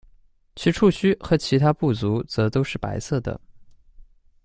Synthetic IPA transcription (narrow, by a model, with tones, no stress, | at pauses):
t͡ɕʰy˧˥ʈ͡ʂʰu˥˩ɕy˥xɤ˧˥t͡ɕʰi˧˥t̪ʰa˥pu˥˩t͡su˧˥t͡sɤ˧˥t̪o˥ʊʂɻ̩˥˩pa̰˧˥ɪsɤ˥˩d̪ə̰˩